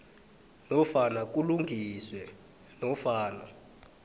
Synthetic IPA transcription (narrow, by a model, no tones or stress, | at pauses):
nɔfanak̬uluŋɡʱiswɛ | nɔfaːna